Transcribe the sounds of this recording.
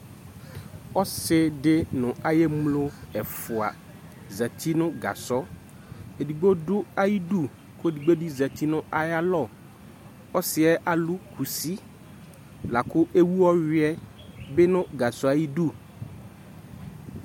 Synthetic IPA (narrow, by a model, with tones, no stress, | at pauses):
ɔ˦sɪ˦dɪ˦nʊ̃˨a˨je˦mlo˦ɛ˨fʊ˨a̰˨ | zɛ˨t̪ʰi˦nʊ̃˦ɡa̰˨sɔ˦ | e˨du˨ɡ͡bo˦dʊ˦a˦ji˦du˦˨ | kʊ˦e˦˨di˨ɡ͡bo˦di˦zɛ˨t̪i˦nʊ̃˦a˨ja˦lɔ˦˨ | ɔ˦sɪ˨˦ɛ˦ʔa˨lʊ˦kʰu˨si˦ | la˨kʊ˦ʔe˦wu˦wɔ˦ɥɪ˦ɛ˦ | bɪ˦nʊ̃˦ɡa˨sɔ˦a˨ji˦du˦˨